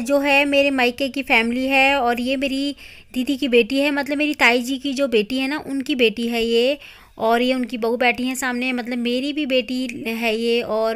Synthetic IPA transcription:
d͡ʒoːɦɛmeːɾemaːɪkekifɛːmɪliɦɛɔːɾjemeːɾi | d̪iːd̪ʱikibeːʈiɦɛmɐt̪ləbmːeːɾit̪aːid͡ʒikid͡ʒoːbeːʈiɦɛnaʔʊnkibeːʈiɦɛjeː | ɔːɾjeʊnkibɐɦubɛːʈʰiɦɛ̃saːmneɦɛ̃mɐt̪ləbmeːɾibʱibeːʈiɦɛjeɔːɾ

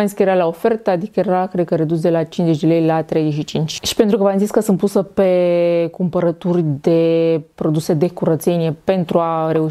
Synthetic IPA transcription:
aisikəjeɾalaofe̞rt̪əad̪ikəjeɾakɾe̞d̪̚kəɾed̪us̬d̪e̞lat͡ʃinze̞t͡ʃd̪e̞lejlat̪ɾejzeʃ̬it͡ʃint͡ʃʲʃi̥pent̪ɾukəvanzitsʲkəsɨnt̪̚pusəpe̞kumpəɾət̪urʲd̪e̞pɾo̞d̪use̞d̪e̞kuɾət̪senije̞pe̞nt̪ɾuaɾe̞u

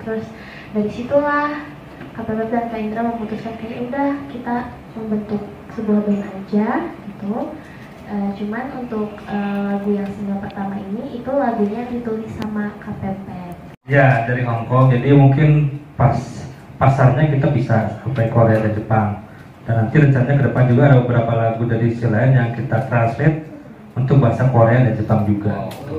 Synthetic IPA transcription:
t̪əɾʊs | daɾisit̪ulah | kapɛmpɛp̪̚dankaindɾaməmut̪ʊskankajaudahkit̪a | məmbənt̪ʊk̚ | səbuahbanad͡ʒaɡit̪u | ʔəːt͡ʃumanunt̪ʊkʔəlaɡujaŋsəniaŋpərt̪amainiːt̪ulaɡuɲadit̪ulisamakapɛmpɛt | jadaɾiɦɔŋkɔŋd͡ʒadimuŋkɪnpas | pasarɲakit̪abisasupakoɾeadand͡ʒəpaŋ | danːant̪iɾəɲt͡ʃanaɲakədəpand͡ʒuɡaːdabəbəɾapalaɡudadiːsilanjaŋkit̪at̪ɾansmɪt̪̚ | unt̪ʊk̚bəɦasakoɾeadand͡ʒəpaŋd͡ʒuɡa̰t̪

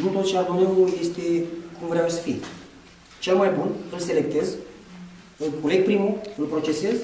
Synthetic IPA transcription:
nut̪ot̪t͡ʃead̪oneuuje̞st̪e̞kumvɾeawsə̥fḭj | t͡ʃelmajbunɨlse̞lek̚t̪e̞z | ɨlkule̞ɡ̚pɾimuɨlpɾo̞t͡ʃe̞se̞z

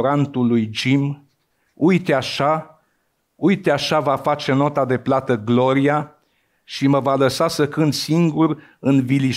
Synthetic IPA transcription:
ɾant̪ulːujd͡ʒim | ujt̪eaʃa | ujt̪eaʃavafat͡ʃe̞no̞t̪ad̪e̞plat̪əɡlo̞ɾija | ʃiməvaləsasəkɨnd̪siŋɡuɾ | ɨnvili

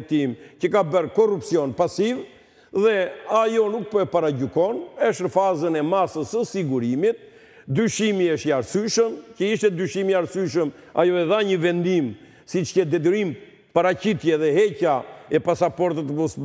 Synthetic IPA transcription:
t̪imcəkabəɾkɔrupsiɔnpasiv | ðɛajɔnuk̚pəɛpaɾaɟykɔnɛʃɾfazənɛmasəsəsiɡuɾimit̪̚ | d̪yʃimiəʃt̪iaɾsyʃəmcəiʃt̪ɛd̪yʃimiaɾsyʃ̬əm | a̰jɔɛðaɲəvɛnd̪im | sit͡ʃcɛd̪ɛd̪əɾim | paɾacit̪jɛðɛɦɛcaɛpasapɔɾt̪ət̪əmɔs

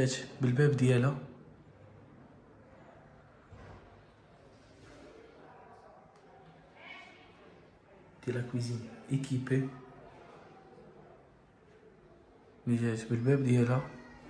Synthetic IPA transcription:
æt̪bəlbɛbd̪jɛlæ | d̪̥jɛlækwizinekipe | məʒæt̪bəlbæb̚d̪jɛlæ

